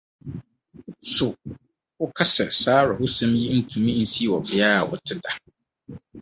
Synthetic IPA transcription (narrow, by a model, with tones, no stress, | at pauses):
so˨ | hʊ˦kʰa˦sɛ˨saː˦ɾɪ˨hʊ˦sɛ̃˦mji˦n̩˦tʰũ˨mĩ˦n̩˦si˦˨wɔ˨bɪ˨aː˦˨wʊ̰˨tʰɪ˦da˨